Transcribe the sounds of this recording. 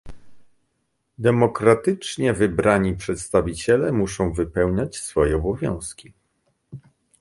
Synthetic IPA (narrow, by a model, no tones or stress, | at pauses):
d̪ɛmɔkɾat̪ɘt͡ʂɲɛvɘbɾʔaɲipʂɛt̪st̪avʲit͡ɕɛlɛmuʂɔ̃w̃vɘpɛwɲat͡ɕsfɔjɛɔbɔvʲjɔ̰̃w̃skʲi